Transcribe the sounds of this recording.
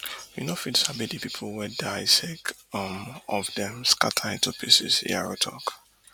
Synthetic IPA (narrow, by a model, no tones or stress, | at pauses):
winofitsabidipipʰl̩wɛdaɪsɛkʌ̃mɔvdɛ̃mska̰tʰaĩntupʰisɪ̰sḭa̰ɹotʰɔ̰k